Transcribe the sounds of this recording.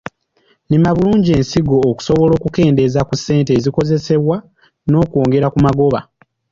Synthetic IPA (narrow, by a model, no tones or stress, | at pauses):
nimaβuluːɲɟie̞ːnsiɡo̞ːku̥so̞βo̞lo̞ːkuke̞ːnde̞zakusːe̞ːnteːziko̞ze̞se̞βwa | no̞ːko̞ːŋɡe̞ɾakumaɡo̞βa